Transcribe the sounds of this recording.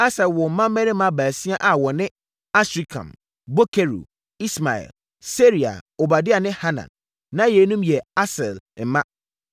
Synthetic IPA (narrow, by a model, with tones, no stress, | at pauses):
a˦sɛ˨lwɔ˨m̩˨˦mã˦mː˦ɛ̃˦nɪ̃˦mã˦bæː˨si˦a˦ʔa˨wɔ˨nɪ̃˦ | a˦sɾi˦kʰã̰˨m | bo˦kʰe˦ɾṵ˨ | i˦sma˨ɛ̰˨l | se˦ɾi˨a̰˨o˨ba˨dɪ˦a˨nɪ̃˦ha˦nã̰˨nː | ã˦jɛː˨˦nũ˦mjɛ˨a˦sɛ˨lm̩˨mã˦